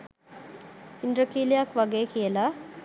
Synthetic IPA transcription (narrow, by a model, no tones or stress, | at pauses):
indɾəkiːlijakʋaɡeːkijəla